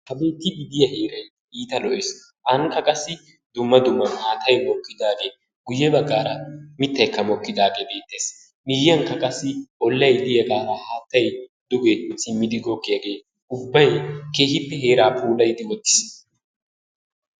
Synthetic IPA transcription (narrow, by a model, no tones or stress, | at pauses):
hɐbe̞ːt̪ːɪɡɪd̪ɪjɐheːɾɐj | iːt̪ɐlɔʔɪs | ʔɐŋkːɐkʼɐsːɪ | d̪ʊmːɐd̪ʊmːɐnhaːt̪ɐjmɔkːɪd̪aːɡe̞ː | ɡʊjːɛbɐɡːaːɾɐmɪt̪ːɐjkːɐmɔkːɪd̪aːɡe̞ːbe̞ːt̪ːeːs | mɪjːɐŋkːɐkʼɐsːɪʔɔlːɐjlɪjɐɡaːɾahaːt̪ːɐjd̪ʊɡɛsʼɪmːɪd̪ɪɡɔkːɪjɐɡe̞ː | ʊbːɐjke̞ːhɪpːɛɦeːɾaːpʰuːlɐjd̪ɪwɔt̪ːɪ̥s